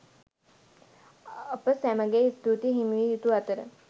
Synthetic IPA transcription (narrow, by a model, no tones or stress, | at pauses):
əpəsæməɡeist̪ut̪iɦimʋijut̪uat̪əɾə̰